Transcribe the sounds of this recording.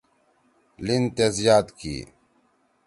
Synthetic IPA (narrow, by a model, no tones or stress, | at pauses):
lint̪ezijaːt̪kḭː